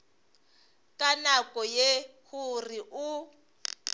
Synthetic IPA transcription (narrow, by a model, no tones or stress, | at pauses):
kʼanakʼɔjehuriʔu